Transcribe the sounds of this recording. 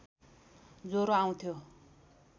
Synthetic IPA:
d͡zoɾoaw̃t̪ʰjo

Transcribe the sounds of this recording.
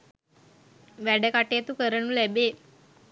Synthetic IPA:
ʋæɖəkaʈeət̪ukəɾənulæbeː

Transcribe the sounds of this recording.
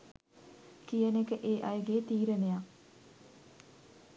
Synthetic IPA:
kijənekəʔeːʔajəɡeːt̪iːɾeneja

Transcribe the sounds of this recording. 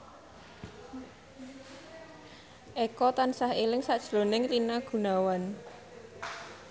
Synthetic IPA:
ʔekɔt̪ansahelɪŋsaʔd̥ʒ̥lonɪŋrinaɡ̥ṳnawan

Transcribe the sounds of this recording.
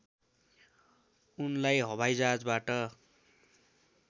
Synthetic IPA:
unlajɦʌbʱajd͡zad͡zbaʈʌ

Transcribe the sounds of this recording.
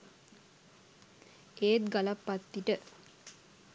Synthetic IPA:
eːt̪ɡalapːat̪ːiʈə

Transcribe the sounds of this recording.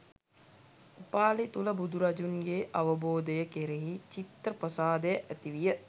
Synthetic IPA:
upaːlit̪uləbud̪ʱuɾɐd͡ʒunɡeːʔaʋəboːd̪əjəkeɾeɦit͡ʃit̪ɾəprəsaːd̪əjəʔæt̪iʋijə

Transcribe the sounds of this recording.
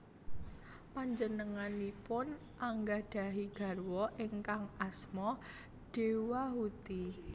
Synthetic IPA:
paɲd͡ʒənəŋanipʊn | ʔaŋɡaɖ̥a̤ɦiɡ̥a̤rwɔʔeŋkaŋasmɔ | ɖ̥ewaɦut̪i

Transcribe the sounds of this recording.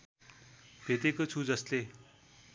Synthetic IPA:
bʱet̪ekət͡sʰud͡zʌst̪e

